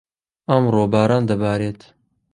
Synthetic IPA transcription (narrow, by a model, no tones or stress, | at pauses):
ɐmɾoːbaːɾaːnd̪ɐbaːɾeːt̪